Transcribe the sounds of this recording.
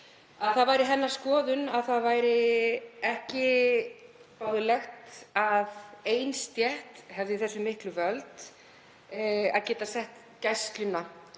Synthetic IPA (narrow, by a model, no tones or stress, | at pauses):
aðθaðvaːjɾɪθɛnːaɾ̥skɔːðʏnaðθaðvaːjɾɪɛhcɪ | pawðʏlɛxt̪aðejnst̪jɛht̪hɛvðɪθɛsːʏmɪhklʏvœlt̪ | a̰ðcɛːt̪asɛht̪ | cajst̪lʏnːa